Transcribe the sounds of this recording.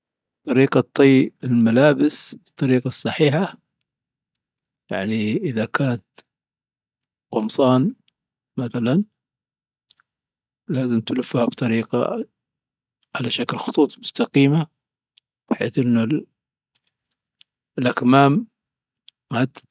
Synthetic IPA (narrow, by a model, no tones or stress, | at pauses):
t̪ˤɑɾiːqɑt̪ˤːijɪlmalaːbɪsbɨt̪ˤːɑɾiːqɑsˤːɑħiːħa | ja̰ʕniʔɪðakʰaːnat̪ | qʊmsˤɑːn | maθalan | laːzɪmt̪lʊfːhabt̪ˤɑɾiːqɑ̰ | ʕalaʃaklxʊ̥t̪ˤuːt̪ˤmʊst̪aqiːma | b̥ɪħḛːθʔɪnːʊ | lʔakmaːm | at̪